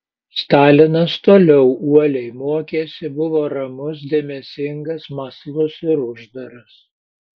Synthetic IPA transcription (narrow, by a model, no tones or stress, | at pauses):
st̪ɑːlʲɪnɐst̪oːlʲɛʊʔuɔlʲɛɪmoɔkʲeːsʲɪbʊʋoːɾɐmʊs̬d̪ʲeɛmʲɛsʲɪŋɡɐsmɐslˠʊsɪɾʊʒd̪ɐɾɐs